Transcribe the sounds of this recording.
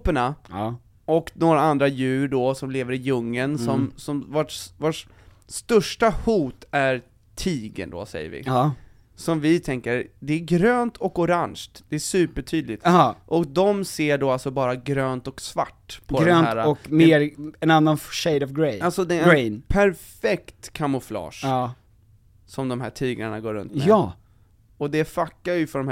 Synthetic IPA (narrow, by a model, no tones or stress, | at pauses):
pəɳa | ɔknoːɾaand̪ɾajʉ̟ːɾɖɔsɔmleːvəɾɪjɵŋːənsɔmmsɔmvoʈvoːʈ | st̪ɵʂʈahuːt̪æɾ | t̪ʰiːɡə̰nd̪o̰sɛ̰jːə̰ɾvɪ̰ | sɔmvɪt̪ʰɛŋkəɾd̪ɛæɾɡɾøːnt̪ʰɔkʊɾanʃkt̪d̪̥ɛæsʉ̟ːpəʈʰyːd̪lɪt̪ʔɔkd̪ɔmseːɖoːalsɔbɑːɾaɡɾøːnt̪ɔksva̰ʈːpʰɔd̪ɛɾøːhæːɾaɔkmeːɾɛnanːanʃɛjd̪ɔvɡɾɛjalsɔd̪ɛɛɾɛnpʰæɾfɛkt̪kʰamʊflɑ̰ːʂ | sɔmd̪ɔmɦæːʈʰiːɡaɳaɡoːɾɵ̰nt̪ɛɑ | ɔd̪ɛfakːaɾjəfœɖɔmh